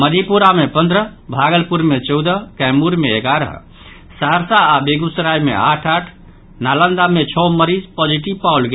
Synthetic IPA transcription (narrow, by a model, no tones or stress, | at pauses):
məd̪ʱipuɾamepənd̪ɾəbʱaɡəlpuɾmet͡ʃɔwd̪əkɛmuɾmeːɡaɾə̰ɦ | saɦəɾsaːbeɡusɾajmḛaʈʰaʈʰ | nalənd̪amet͡ʃʰɔməɾid͡ʒpɔd͡ʒiʈibpaulɡe